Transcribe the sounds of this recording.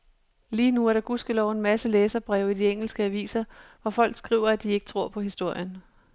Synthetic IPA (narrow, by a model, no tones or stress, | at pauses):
liːnuæɐɾ̥ɑ̈ɡ̥usɡ̥əlɒʊe̝nmæsəleːsɐb̥ʁɛʊ̰id̥ieŋ̰l̩sɡ̥əæʋḭːsɐʋɒfɒ̽l̰ɡ̥sɡ̥ʁḭːʊɐæd̥ie̝ɡ̥ə̥t͡sʰʁo̝ɐ̰pʰɒ̽ɦisd̥o̝ɐ̰jən